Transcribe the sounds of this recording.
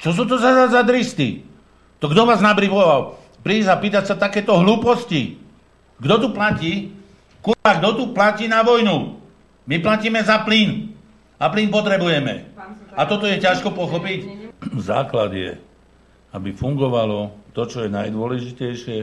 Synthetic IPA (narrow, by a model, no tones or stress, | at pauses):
t͡ʃɔs̬uːt̪ɔzazazad̪ɾist̪ḭ | t̪ɔɡd̪ɔʋaːznabɾipɔʋal | pɾiːzapiːt̪acsat̪akɛːt̪ɔɦluːpɔsci | ɡd̪ɔt̪uplaciː | kuɾbaɡd̪ɔt̪uplaciːnaʋɔjnu | miplaciːmɛzapliːn | apliːnpɔt̪ɾɛbujɛmɛ̰at̪ɔt̪ɔjɛcaʃkɔpɔxɔpicza̰ːklad̪ɪjɛ̰ | abifuŋɡɔʋalɔt̪ɔt͡ʃɔjɛnajd̪ʊɔlɛʒicɛjʃɪɛ